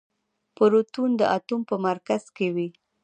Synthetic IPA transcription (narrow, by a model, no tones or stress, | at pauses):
pəɾot̪und̪əʔat̪umpəmaɾkaz̥kewi